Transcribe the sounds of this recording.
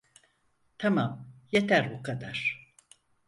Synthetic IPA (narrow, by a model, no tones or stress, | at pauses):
t̪ʰamamjet̪ʰæɾbukʰad̪aɾ̥